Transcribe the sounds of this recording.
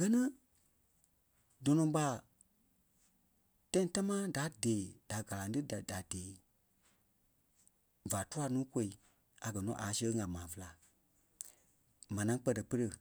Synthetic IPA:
ɡɜ˦nɨ̃˦ | dɔ̃˨nɔ̃˧ɓa˧˦˨ | tã˦ĩ˧ta˦mãː˦da˨˦deː˨d̥a˨ɡa˨lã˨˦ɨ˦dda˨d̥eː˨˦ | va˨tu˦a˧˨nũː˦ko˧˦i˧˨ | a˨ɡɜ˨nɔ̰̃˨˦ʔa˨˦sə˧˦ŋã˨mãː˨və˧la˨ | mã˨nã˨˦k͡pɜ˧tə˨pə˦˧ɾə˧˨

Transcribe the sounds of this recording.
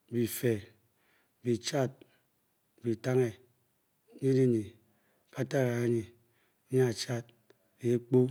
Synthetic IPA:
bi˨fe˨ | bi˨t͡ʃa˦t̚ | bi˨ta˦ŋe˨˦ | ɲi˦di˦ɲi˨ | ka˦ta˦ɣa˨a˦ɲi˨˦ | ɲa˦a˨t͡ʃa˦t̚ | bi˨˦k͡po˦

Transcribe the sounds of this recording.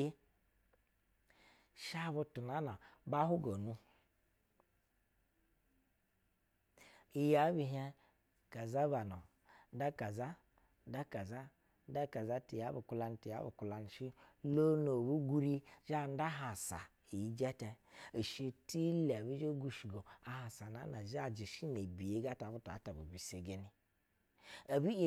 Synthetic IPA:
i˦ | ʃa˦βu˧tu˨na˨˦na˨ba˦ɦu˦ɡo˨nu˦ | i˨ja˨˦bi˧˨ɦɛ˦ | ka˨za˦ba˨no˨ | n̩˦da˦ka˨za˦ | n̩˦da˦ka˨za˦ | da˦ka˨za˦ti˨ja˨˦bu˨ku˦la˨˦n˨˦ti˨ja̰˨˦bu˨ku˨la˨n˨ʃi˦lo˦no˨βu˦ɡu˦ɾi˦ʒa˦˨n˦da˦ɦa˨sa̰˨ | i˨ji˦d͡ʒɛ˦tɛ˨i˨ʃi˦ti˦le˨bi˦d͡ʒo˦ɡu˨ʃi˨ɡo˨a˨ɦa˨sa˨na̰˨˦na˨ʒa˦˨d͡ʒi˨ʃi˦ne˨bi˨je˦ɡa˦ta˨bu˦ta̰˨˦ta˨bṵ˨bi˨se˨ɡe˦ni˦ | a˨bi˦e˦

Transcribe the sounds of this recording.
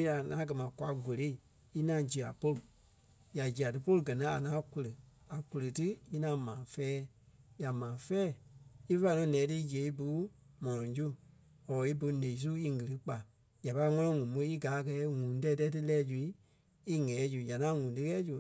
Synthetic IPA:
ja˨ŋãː˨˦ɡɜ˨mã˨kwa˧ɡo˨le˨˦i˦˨ | i˦nã˧˦d͡ʒi˨a̰˨po˧lɨ˨ | ja˨d͡ʒi˨a˨tɨ˧po˦lɨ˧ɡɜ˨nĩ˨˦a˨ŋãː˦ku˧lə˨ | a˨ku˧lə˨tɨ˦i˦nã˧˦mãː˨fɛː˦ | ja˨mãː˨˦fɛː˦˨i˦fa˧˦˨nɔ̃˧˦nɛ̃ː˨˦tɨ˧˦d͡ʒe˨˦i˦bu˦mɔ̃˨lɔ̃˨d͡ʒu˦ | ɔː˨i˦bo˧nẽ˨ĩ˨˦s̬u˦i˧ŋɨ˨lɨ˦k͡pa˨ | ja˨pa˧˦ŋɔ̃˧lɔ̃˧ŋũ˨mõ˨˧˦i˦ɡaː˨˦˨kɛ˨˦ŋũː˨˦tɛ˧˦tɛ˦tɨ˦lɛː˦d͡ʒu˧i˦ | i˦ŋɛː˨˦d͡ʒu˨ja˨ŋã˨˦ŋũː˨˦tɨ˦kɛː˦d͡ʒu˨

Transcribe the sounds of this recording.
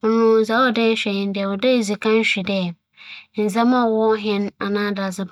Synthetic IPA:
ʊ˨nʊ̃˦n̩˨za˦ɔ˦dɛ˦ɕᶣɛ˨ɲɪ̃˨n˦dɪ˨ɛ˨wɔ˨de˦˨zi˨kʰã˦n˦ɕᶣi˨dɛ˦˨ | n̩˨za˦mã˦˨wɔ˦ɦɪ̃˦na˨nãː˦da˨zɪ˦b

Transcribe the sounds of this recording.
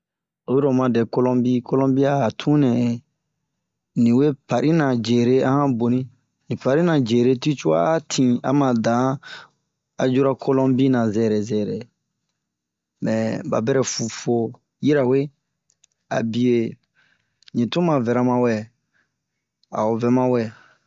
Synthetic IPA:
o˨˦i˦ɾo˨mã˨dɛ˨ko˦lɔ̃˦bi˦ko˦lɔ̃˦mbi˦aː˦˨tʰũ˦nɛ̃˨ | nĩ˨we˦pa˨ɾi˦nã˨d͡ʒe˨ɾe˦ã˦hã˦bo˨nĩ˦ | nĩ˨pa˨ɾi˦nã˨d͡ʒe˨ɾe˦ti˦t͡ʃu˦a̰˦tʰĩ˨a̰˨˦mã˨dã˨˦ | a˨d͡ʒu˦ɾa˦kʰo˦lɔ̃˦bi˦nã˨zɛ˦˨ɾɛ˨zɛ˨ɾɛ˨ | mɛ˨ba̰˨bɛ˦ɾɛ˨fu˨fo˦ | ji˦ɾa˨we˦ | a̰˨bi˨e˨ | ɲĩ˨tũ˦mã˨vɛ˨ɾa˨mã˨wɛ˨ | a̰˨o˨vɛ˦mã˦wɛ˦˨

